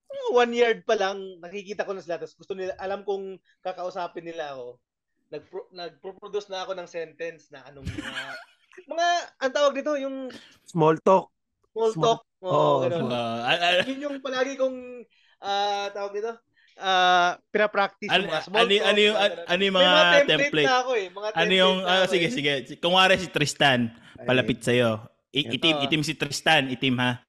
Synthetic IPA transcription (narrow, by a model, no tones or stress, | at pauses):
ɐawanjaɹd̪̚pɐlaŋnɐkɪkiːt̪ɐko̞nɐsɪlat̪ɐsɡʊst̪onɪlaʔɐlamkʊŋ | kɐkɐʔʊsaːpɪnːɪlaɐko̞ | nɐɡ̚pnɐɡ̚pɾopɾod̪usnɐɐko̞nɐŋsɛnt̪ɛnsnɐʔɐnoŋɐa | mɐŋaʔɐnot̪aːwɐɡ̚nɪt̪o̞jʊŋ | smolt̪ok̚ | smolok̚ʔooːʔɡɐnon | jʊnjʊŋpɐlaːɡɪkʊŋ | ʔaːt̪aːwɐɡ̚nɪt̪o̞ | ʔapɪɾɐpɾak̚t̪ɪsɐmɐnoɐnojʊŋɐʔɐnojʊŋmɐŋat̪ɛmplɛjtɐkoɛmɐŋaʔɐnojʊŋɐsɪɡɛsɪɡɛɪkʊŋwaːɾɛsɪt̪ɾɪst̪an | pɐlɐpɪt̪̚sɐjo | ʔɪʔɪt̪ɪmʔɪt̪ɪmsɪt̪ɾɪst̪anʔɪt̪ɪmha